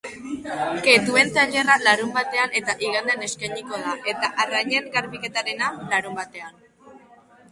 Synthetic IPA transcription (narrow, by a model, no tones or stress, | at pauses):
ket̪ue̞nt̪aʎe̞ralaɾumbat̪e̞ane̞t̪aʔiɣand̪ene̞skajɲiko̞ð̞aʔe̞t̪aʔarajɲe̞nɣaɾβike̞t̪aɾe̞nalaɾumbat̪e̞an